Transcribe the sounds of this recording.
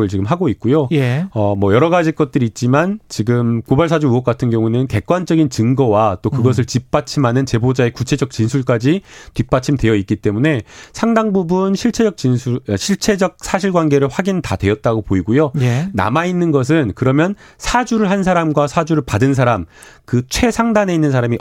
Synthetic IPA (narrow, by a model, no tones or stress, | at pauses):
ɯɭt͡ɕiɡɯmɦaɡoit̚k͈ujojeʌmʌjʌɾʌɡad͡ʑik͈ʌt̚t͈ɯɾiːt̚t͡ɕ͈imant͡ɕiɡɯmkobaɭsʰad͡ʑuuʌk͈̚atʰɯnɡjʌŋunɯnke̞k̚k͈wand͡ʑʌɡint͡ɕɯŋɡʌwat͈okɯɡʌs̬ʰɯɭt͡ɕip̚p͈at͡ɕʰimanɯnt͡ɕe̞bod͡ʑae̞kut͡ɕʰe̞d͡ʑʌk̚t͡ɕinsʰuɭk͈ad͡ʑitip̚p͈at͡ɕʰimtwe̞jʌit̚k͈it͈e̞mune̞sʰaŋdaŋbubunɕʰiɭt͡ɕʰe̞d͡ʑʌk̚t͡ɕinsʰuɕʰiɭt͡ɕʰe̞d͡ʑʌk̚sʰaɕ̬ʰiɭɡwanɡeɾɯɭɸwaɡintadwe̞ʌt̚t͈aɡopoiɡujoena̰mainːɯnɡʌs̬ʰɯnkɯɾʌmjʌn | sʰad͡ʑuɾɯɭɦansʰaɾamɡwasʰad͡ʑuɾɯɭpadɯns̬ʰaɾam | kɯt͡ɕʰwe̞sʰaŋdane̞inːɯns̬ʰaɾami